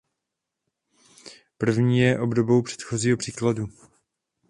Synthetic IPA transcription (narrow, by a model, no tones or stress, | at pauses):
pr̩vɲiːjɛʔo̞bdo̞bo̞wpr̝̥ɛ̥t̪xo̞ziːɦo̞pr̥iːkladu